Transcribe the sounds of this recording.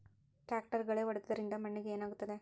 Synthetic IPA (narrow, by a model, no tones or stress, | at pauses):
ʈaːk̚ʈɐɾɣɐɭeːʋɐɽɯt̪ːɯɐɾɪnd̪ɐmɐɳːɯɣɐeːnaːɣɯt̪ːɐðe